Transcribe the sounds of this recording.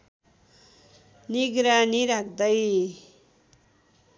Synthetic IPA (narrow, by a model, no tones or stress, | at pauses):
niɡɾaniɾakʰd̪ʌj